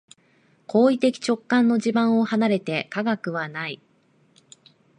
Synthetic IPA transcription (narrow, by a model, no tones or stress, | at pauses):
kʰo̞ːit̪e̞kʲi̥t͡ɕo̞kːãnːo̞ʑibãɰ̃o̞hanaɾe̞t̪e̞kaɡakɯ̟βanai